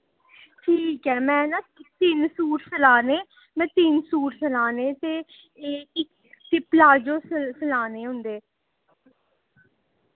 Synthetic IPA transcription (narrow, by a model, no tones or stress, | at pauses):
ʈʰiːkɦɛːmɛ̃ːnãːt̪ɪnsuːʈsəlaːneː | mɛ̃ːt̪ɪnsuːʈsəlaːneːt̪eː | eːɪ | t̪eːplaːd͡ʒoːssəlaːneːɦʊ̃nd̪eː